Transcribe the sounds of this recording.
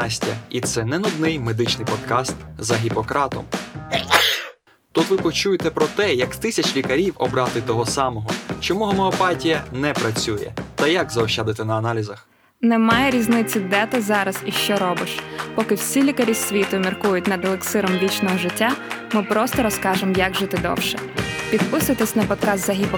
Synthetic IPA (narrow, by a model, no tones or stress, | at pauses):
sʲtʲɐ̰it̪sɛnɛnʊd̪nɪjmed̪ɪt͡ʃnɪjpɔd̪kɑst̪zɐɦʲipɔkɾɑt̪ɔ̰m | t̪ut̪ʋɪpɔt͡ʃujet̪ɛpɾɔt̪ɛjɐkt̪ɪsʲɐt͡ʃʲlʲikɐɾʲiwɔbɾɑt̪ɪt̪ɔɦɔsɑmɔɦɔt͡ʃɔmuɦɔmɛɔpɑtʲijɐnɛpɾɐt͡sʲujɛ̰t̪ɐjakzɐɔʃad̪ɪt̪ɛnɐːnɑlʲizɐx | nɛmɑjɛɾʲiznɪt͡sʲːʊd̪ɛt̪ɪzɑɾɐz̥iʃt͡ʃɔɾɔbɪʃpɔkɪwsʲilʲikɐɾʲisʲʋʲit̪ʊmʲirkujʊt̚ʲnɐd̪lˠeksɪɾɔmʋʲit͡ʃnɔɦɔʒɪtʲːamɪpɾɔst̪ɔɾɔskɑʒɪmjɐɡʒɪt̪ɪd̪ɔ̰wʃɛpʲid̪̚pɪsʊjɐt̪esʲnɐpɔt̪kɑst̪zɐɦʲipɔ